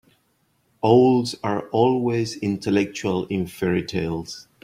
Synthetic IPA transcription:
oʊldzaɹɔlˠwezɪ̃ntʰəlɛk̚t͡ʃuəlɪ̃nfɛɹitʰeɪlˠz̥

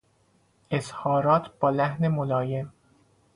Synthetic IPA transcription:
ʔeshɒːɾɒːt̪ʰb̥ɒːlæhne̞molɒːjem

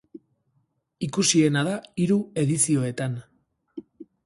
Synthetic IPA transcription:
ikusie̞naðaiɾue̞ðisio̞e̞t̪an

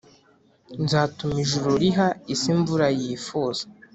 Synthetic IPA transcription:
nzaːtumiʒuɾuɾiɦaisiɱvuɾajiːfuːz̥ḁ

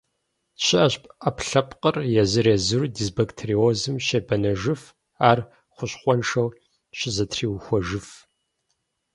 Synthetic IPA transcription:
ɕɪʔɐɕpʼɐpɬɐpʰqərjɛzɨrezɨɾudizbɐktʰeɾiozɨmʃebɐnɐʒɨf | aːr | χʷʊɕχʷɔnʂɐw | ɕɪzɐtʰriːwxʷɔʒɨf

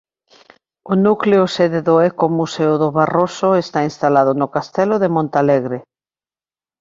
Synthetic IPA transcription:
ʊnukleoseðeðoɛkomuseʊðʊβarosʊest̪ainst̪alað̞ʊnʊkast̪ɛloðemõnt̪aleɣɾe

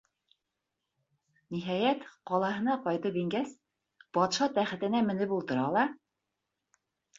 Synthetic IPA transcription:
niɦæjæt̪qɒlˠɑɦɤ̆nɑqɒjt̪ɤpiŋɡæs | pɒt̪ʃɑt̪æχɘ̆t̪ɘ̆næmɘ̆nɘpulˠt̪ɤ̆ɾɑlˠɑ

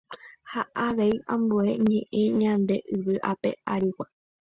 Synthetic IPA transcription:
haʔaʋe̞iãmbue̞ɲẽʔẽɲãnd̪e̞ʔɨʋɨʔape̞̰ʔaɾiwa

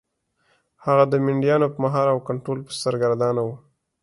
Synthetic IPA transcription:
haɣad̪əmɪɳɖijɑnopəmaɦɑɾawkaɳʈɾolpə̥saɾɡaɾd̪ɑnawu

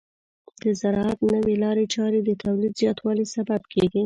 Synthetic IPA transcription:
d̪əzaɾɑat̪nəwelɑɾet͡ʃɑɾed̪ət̪ʰawlid̪zjɑt̪wɑlisababkʰeɡi

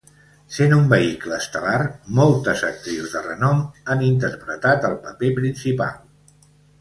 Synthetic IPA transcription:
senumbəikləːst̪əlarmɔlˠt̪əzək̚t̪ɾiwzðərənɔmanint̪əɾpɾət̪at̪əlˠpəpepɾinsipa̰lˠ

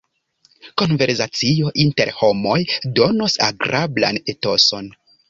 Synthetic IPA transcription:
ko̞nve̞ɾsat͡sijo̞ʔinte̞ɾho̞mo̞jdo̞nosa̰ɡɾabla̰neto̞so̞n

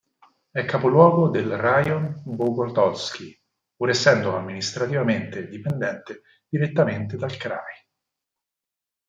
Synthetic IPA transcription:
ɛkːapolwɔːɡod̪elrajonbokort̪ɔsk̟i | puɾesːɛnd̪oamːinist̪ɾat̪ivament̪ed̪ipend̪ɛnt̪e | d̪̥iɾet̪ːament̪ed̪alkɾaj

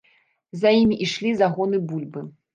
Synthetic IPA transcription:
zajimʲiʔiʂlʲizaɣɔnɨbulʲbɨ

